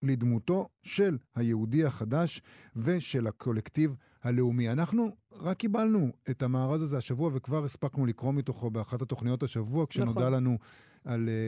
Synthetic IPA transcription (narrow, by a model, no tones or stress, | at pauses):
led̪muto̞ʃe̞lhajeudiaχadaʃve̞ʃe̞lakʰo̞lektiv | hale̞umianaχnuʁakːibalnue̞thamaːʁazazeaʃavuavekvaʁespaknulikʁo̞mito̞χo̞beaχatat̪o̞χnijo̞taʃavuakʃeno̞dalanu | al